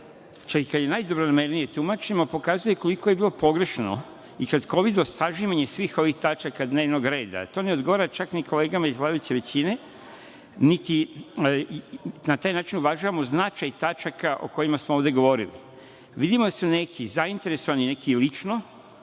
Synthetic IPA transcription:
t͡ʃakikad̪je̞najd̪obɾonameɾnije̞t̪umat͡ʃemopo̞kaːzujeko̞liko̞je̞biːlˠo̞po̞ɡɾe̞ʃno̰ | ikad̪ko̞ʋid̪osaʒiʋaɲesʋiːxo̞ʋixt̪at͡ʃakad̪ne̞ːʋno̞ɡɾe̞ːd̪a̰t̪o̞ne̞od̪ɡo̞ʋaːɾat͡ʃakniko̞le̞ːɡamaizɡlˠaːd̪ajut͡ɕeʋe̞t͡ɕine̞ | nit̪i | nat̪aːjnaːt͡ʃinuʋaʒuʋamoznat͡ʃajt̪at͡ʃakaʔo̞̰ko̞jimasmooʋd̪e̞ɡo̞ʋo̞ɾilḭ | ʋid̪imod̪asune̞kʰizaint̪e̞ɾeso̞ʋanine̞kilit͡ʃno

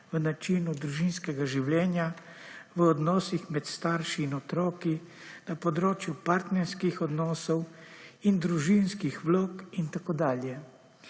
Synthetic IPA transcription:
ʋənat͡ʃiːnud̪ɾuʒinskɛɡaʒiwlɛːnjaʋəɔd̪nɔːsixmɛt̪st̪aːɾʃiːnɔt̪ɾɔːkinapɔd̪ɾoːt͡ʃjupaɾt̪nɛɾskixɔd̪nɔːsɔwind̪ɾuʒinskixʋloːkint̪akoːd̪aːljɛ

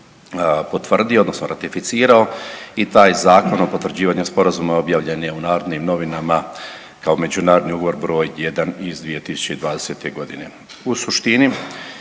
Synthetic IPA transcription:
po̞t̪ʋr̩d̪iood̪no̞snoɾat̪ifit̪siːɾao̞it̪aːjzaːko̞nopo̞t̪ʋr̩d͡ʑiːʋaːɲuspo̞ɾazumao̞bjaːʋʎe̞njeunaːɾo̞d̪nimno̞ʋinama | kao̞me̞d͡ʑunaːɾod̪niuɡoʋo̞ɾbɾo̞ːjjed̪anizd̪ʋije̞t̪isu̥t͡ɕeid̪ʋaːd̪e̞set̪e̞ɡo̞d̪ine̞ | usuʃt̪ini

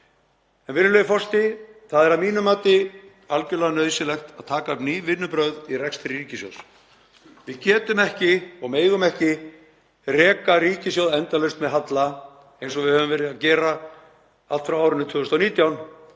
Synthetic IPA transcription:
ɛnvɪnːʏlœjɪfɔr̥st̪ɪθaðɛɾaðmiːnʏmaːt̪ɪ | alcʏlɛɣanœːðsɪlɛxt̪aðt̪ʰaːkapniːvɪnːʏpɾœɥðirɛkst̪ɪɾiːcɪsjo̰ws | vɪðcɛːt̪ʏmɛhcɪɔɣmeːjɣʏmɛhcɪ | rɛːkaɾiːcɪs̬jowðɛnt̪alœst̪mɛðɦat̪la | ejnsɔɣvɪðhœːvʏmvɛːɾɪðaðcɛːɾa | at̪fɾawaːwɾɪnːɪt̪ʰʏːɣʏst̪awniːt̪jawn

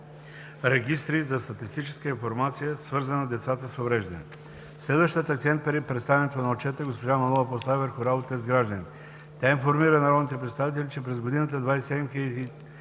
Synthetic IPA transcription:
ɾɛɡʲist̪ɾizɐst̪ɐt̪ist̪it͡ʃɛ̥skəinfoɾmat̪sijəsvɤɾzənəzd̪ɛt̪sat̪əsovɾɛʒd̪ɐnɛ | slɛd̪vəʃt̪ijət̪ɐkt̪sɛnt̪̚pɛɾipɾɛt̪st̪avɛnɛt̪onɐot͡ʃɛt̪əɡospoʒamɐnˠɔvəpost̪aɛvɛɾxoɾalˠot̪ɛzɡɾaʒd̪əni | t̪ʲainfoɾmiɾənɐɾɔd̪nit̪ɛpɾɛt̪st̪avit̪̬ɛlʲit͡ʃɛpɾɛzɡod̪inət̪̬əd̪vajsɛd̪ɛmxild̪i

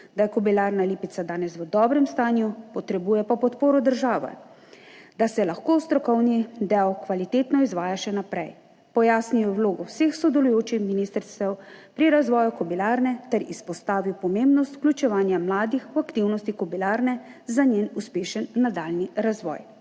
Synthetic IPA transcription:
d̪ajɛkɔbilaːɾnaliːpit̪sad̪aːnɛsʋəd̪ɔːbɾɛmst̪aːnjupɔt̪ɾɛbuːjɛpɔpɔt̪poːɾɔd̪əɾʒaːʋɛ̰ | d̪asɛlaxkoːwst̪ɾɔkɔwnid̪ɛwkʋalit̪eːt̪nɔizʋaːjaʃɛnapɾɛj | pɔjaːsnijɔwloːɡɔwsexsɔd̪ɛlujoːt͡ʃixminiːst̪ɾst̪ɛwpɾiɾazʋɔːjukɔbilaːɾnɛt̪ɛɾispɔst̪aːʋiwpɔmembnɔst̪klʲut͡ʃɛʋaːnjamlaːd̪ixwakt̪iwnɔst̪ikɔbilaːɾnɛzanenuspeːʃənːad̪aːlniɾazʋɔ̰ːj

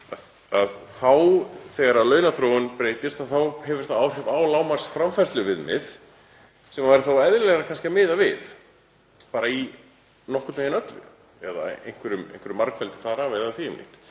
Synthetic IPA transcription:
að | aðθawθɛɣaɾalœːɥnaθɾowʏnpɾeːjt̪ɪst̪aðθawhɛvʏɾ̥θaðawr̥hɛvaːwlaːwmḁsfɾamfɛst̪lʏvɪðmɪ̰ð̥ | sɛmavaɾɪθawɛðlɛɣɾakʰanscɪamɪːðavɪð | paːɾai | nɔhkʏt̪nhɪnœt̪lʏ̰ | ɛða̰ḛjn̥kvɛɾʏmḛjn̥kvɛɾʏmaɾkfɛlt̪ɪ̥θaðaɾaːvejðaθiɪmlḭht̪

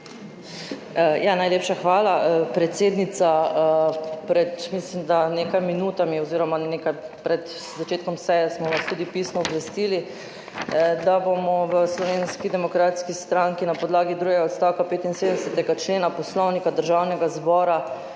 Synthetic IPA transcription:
janajlepʃaxʋaːlapɾɛt̪seːd̪nit̪sa | pɾɛt̪mislimd̪aneːkajminuːt̪amiɔziːɾɔmanekapɾɛt̪ | zat͡ʃeːt̪kɔmsɛjɛsmɔnast̪ud̪ipisnɔɔbʋɛst̪iːli | d̪abomɔʋəslɔʋeːnskid̪ɛmɔkɾaːt̪skist̪ɾaŋkinapɔd̪laːɡid̪ɾuɡɛɡaɔt̪st̪awkapeːt̪insed̪ənɛsɛt̪ɛɡat͡ʃleːnapɔslɔwnikad̪əɾʒawnɛɡazbɔːɾa

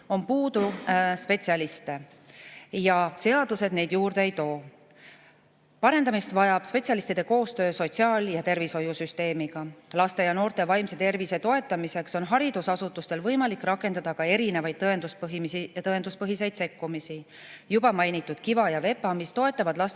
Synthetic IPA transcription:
o̞npuːd̪̥uspe̞t̪siɑlist̪e̞ | jɑse̞ɑd̪use̞d̪ne̞jd̪̥juːrd̪eejt̪o̞ː | pɑɾe̞nd̪ɑmist̪vɑjɑb̥spe̞t̪sjɑlist̪id̪̥e̞ko̞ːst̪ø̞ːso̞t̪ʲsiɑːljɑt̪e̞rviso̞jusyst̪e̞ːmiɡ̥ɑlɑst̪e̞jɑno̞ːrt̪e̞vɑjmse̞t̪e̞rvise̞t̪o̞e̞t̪ːˑɑmise̞kso̞nɦɑɾid̪̥usɑsut̪ːˑust̪e̞lvɤjmɑlikːrɑkːˑe̞nd̪̥ɑd̪̥ɑkɑe̞ɾine̞vɑjd̪t̪ɤend̪uspɦsit̪ɤend̪uspɤɦise̞jd̪̥se̞kːumisi | jubɑmɑjnit̪ˑːud̪̥̚kivɑjɑve̞pːˑɑmist̪o̞e̞t̪ːˑɑvɑd̪lɑs

